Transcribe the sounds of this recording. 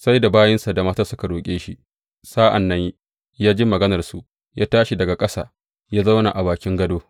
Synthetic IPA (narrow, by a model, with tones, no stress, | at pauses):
sa˦jda˨baː˦jɐ˦nsa˨da˨maː˦taː˦sʊ˦ka˨ɽoː˨kʲʼeː˦ʃi˦ | saː˦ʔa̰˨nːɐ˦ɲi˦ | jaː˦d͡ʒɪ˦mːɐ˨ɡɐ˦nɐ˨rsu˨ʔ | jaː˦taː˦ʃi˨dɐ˨ɡa˨kʼɐ˦sa̰ː˨ | jaː˦za˦wna˨ʔa˨baː˨kʲɪ˦ŋɡɐ˦doː˦